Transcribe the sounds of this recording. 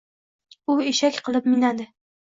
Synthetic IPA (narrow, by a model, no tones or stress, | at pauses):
ʊeʃakʲqʰɨlˠɪpmɪnad̪ɪ